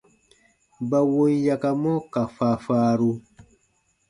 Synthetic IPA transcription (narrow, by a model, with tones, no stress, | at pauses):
ba˨wo˦nja˨ka˧mɔ̃˦ka˨fa˨faː˦ɾu˧